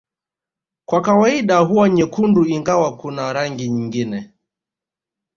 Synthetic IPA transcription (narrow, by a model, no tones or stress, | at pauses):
kwakawaiɗaɦuaɲɛkunduiŋɡawakunaɾaŋɡiɲiŋɡinɛ